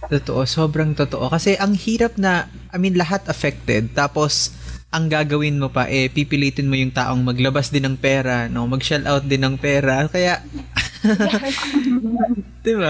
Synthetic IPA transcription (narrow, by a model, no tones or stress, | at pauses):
t̪ot̪oʔo̞so̞ːbɾɐŋt̪ot̪oʔo̞kɐsɛʔɐŋhiːɾɐp̚nɐ | ʔɐminlɐɦat̪ʔɐfɛk̚t̪ɛd̪̚t̪aːpo̞sʔɐŋɡaːɡɐwɪnmopɐ̰ʔɛpiːpɪliːt̪ɪnmojʊŋt̪a̰ːʔo̞ŋmɐɡlɐbasd̪ɪnɐŋpɛːɾɐno̞mɐɡʃɛlt̪awt̪̚d̪ɪnɐŋpɛːɾɐkɐjaʔ | d̪̥ɪba